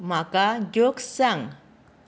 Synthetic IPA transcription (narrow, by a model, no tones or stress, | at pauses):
makaɡoksaŋ